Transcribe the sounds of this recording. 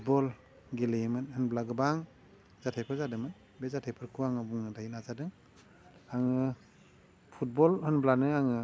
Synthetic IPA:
t̚bɔl | ɡelemɯnhɯnblaɡɯbaŋ | z̥atʰajpʰɯɾzadɯŋmɯn | bezatʰajpʰɯɾkʰuaŋabuŋɯdajinazadɯŋ | aŋɯ | pʰut̚bɔlhɯnblanɯaŋɯ

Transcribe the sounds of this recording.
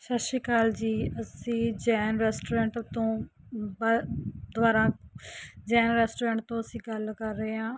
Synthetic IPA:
ʃəʃiːkaːld͡ʒiːəsĩːd͡ʒɛːnɾɛːsʈoːɾɛ̃ːɳʈt̪õː | bad̪ʋaːɾãː | d͡ʒɛːnɾɛːsʈːɾɛ̃ːɳʈ̚t̪õːəsĩːɡəlkəɾːəeːãː

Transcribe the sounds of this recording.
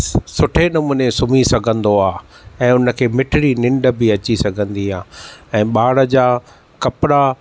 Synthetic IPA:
sʊʈʰenɐmuːnesʊmisɐɡʱə̃nd̪oaːɛ̃ːʊnə̆kʰeːmɪʈʰɪɽinɪ̃ɳɖə̆bɪɐt͡ɕisɐɡʱə̃nd̪iaːɛ̃ːɓaːɽəd͡ʑaː | kɐpɾa

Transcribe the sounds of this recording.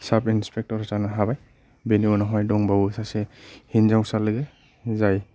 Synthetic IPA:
sabinspʰek̚tɔɾatanaɦabaj | beniɔnaɦɔjdɔŋbawisasehinzawsalːɯɡe | zaj

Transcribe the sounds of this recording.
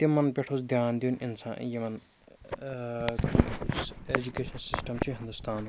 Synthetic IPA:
t̪imːɐnpeʈʰoːsd̪ʱjaːnd̪iunʔḭnsa̰ːjemɐn | ed͡ʒukeʃɐnsisʈɐmt͡ɕʰuɦĩnd̪ust̪ʰaːn

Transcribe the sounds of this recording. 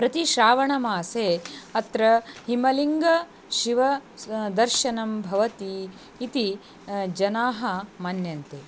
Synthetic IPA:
pɾɐt̪iʃɾaːʋɐɳɐmaːseːɐt̪ɾɐhimɐliŋɡɐ | ʃiʋɐd̪ɐɾʃɐnɐmbʱɐʋɐt̪iː | t̪i | d͡ʒɐnaːɦɐmɐnjɐnt̪e

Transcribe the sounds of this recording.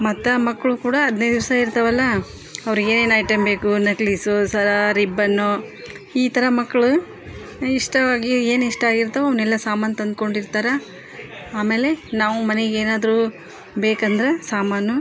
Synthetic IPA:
mɐt̪ːɐmɐkːɐɭukuːɽɐɐd̪ned̪iʋɐsɐiɾt̪ɐʋɐlːɐ | ɐʋɾiɡe̞ːne̞ːnɐjʈɐmbe̞ːkunɐklisosɐɾaɾibːɐnːo | iːt̪ʰɐɾɐmɐkːɐɭu | iʂʈɐʋaːɡie̞ːniʂʈɐaːɡiɾt̪ɐʋɐʋɐnɛlːɐsaːmaːnt̪ɐnd̪̚ko̞ɳɖiɾt̪aːɾɐ | aːme̞ːle̞naːʋumɐneɡeeːnaːd̪ɐɾu | beːkɐnd̪ɐɾesaːmaːnu

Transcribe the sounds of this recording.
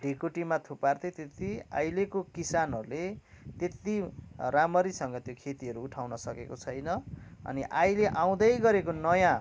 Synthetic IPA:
ɖʱikoʈimat̪ʰupart̪ʌt̪et̪ia̰jlekokisanɦʌɾule | t̪et̪iramʌɾisʌŋɡʌt̪jokʰet̪iʌɾuːʈʰawnʌsʌkekot͡sʰʌjnʌʌ̰niʔajleʔaw̃d̪ʌjɡʌɾekonʌjã

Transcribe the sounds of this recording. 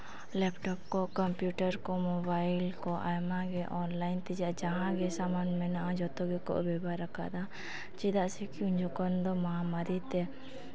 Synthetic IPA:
lɛpʈɔp̚kɔkɔmpjuʈaɾkɔmɔbajlkɔʔajmaɡɛʔɔnlajnt̪ɛd͡ʒaʔd͡ʒaɦãɡɛsamanmɛnaʔad͡ʒɔt̪ɔɡɛkɔ̰ʔbɛbaɾaka̰ʔd̪a | t͡ʃid̪aʔsɛkiuɲd͡ʒɔkɔnd̪ɔmamaɾit̪ɛ

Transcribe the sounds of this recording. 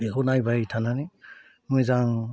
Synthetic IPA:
ihunajbaitʰanani | mujzaŋ

